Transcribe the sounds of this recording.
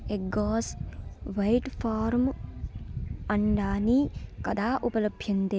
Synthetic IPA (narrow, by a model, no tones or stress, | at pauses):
eɡoːsʋɐjʈpʰaːɾm | ɐɳɖaːnikɐd̪aːʔupɐlɐbʱjɐnt̪e